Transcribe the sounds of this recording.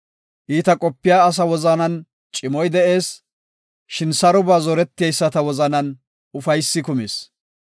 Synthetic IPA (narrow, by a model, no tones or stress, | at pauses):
ʔiːt̪ɐkʼɔpːɪjaːs̬ɐwɔzɐnɐn | t͡ʃʼɪmɔjd̪ɛʔe̞ːs | ʃɪnsɐɾʊbaːzɔɾɛt̪ːɪjɐjsːɐt̪ɐwɔzɐnɐn | ʊfɐjsːɪkʊmḛːs